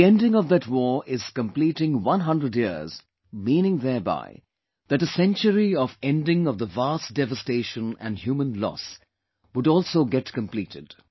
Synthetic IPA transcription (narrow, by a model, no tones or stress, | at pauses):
ðiɛ̃ndɪ̃ŋʌvðɨtwɔɹʔɪz̥kə̃mpliːɾɪ̃ŋwʌ̃nɦʌ̃ndɹəɖjiz̥ | mĩnɪ̃ŋðɛba̰ɪ | ðæʈəsɛ̃nt͡ʃəɾiɔvɛ̃nɖɪ̃ŋʌvðəvasd̥ɛvəsteɪʃə̃næ̰̃nɖhjumə̃nlɔ̰s | wʊɖɔːlˠsoʊɡɛtkə̃mplitɪd̥